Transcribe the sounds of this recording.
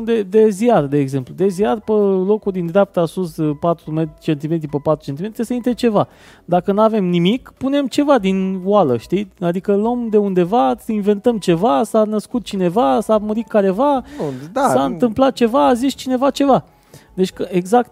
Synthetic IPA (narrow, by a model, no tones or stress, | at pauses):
d̪e̞d̪e̞ziard̪e̞ːɡze̞mplud̪e̞ziarpəlo̞kud̪ind̪ɾeap̚t̪əasuspat̪ɾumet̪ɾʲit͡ʃe̞nt̪ime̞t̪ɾipəpat̪ɾu̥t͡ʃe̞nt̪imet̪ɾijsəint̪ɾet͡ʃe̞va | d̪akənuave̞mnimikpune̞mt͡ʃe̞vad̪inwaləʃt̪iad̪ikəlomd̪e̞und̪e̞vasəinve̞nt̪əmt͡ʃe̞vasanəskut̪̚t͡ʃine̞vasaməɾit̪̚kaɾe̞vad̪saɨnt̪ɨmplat̪̚t͡ʃe̞vaːzist͡ʃine̞vat͡ʃe̞va | d̪e̞t͡ʃʲkəeɡzakt̪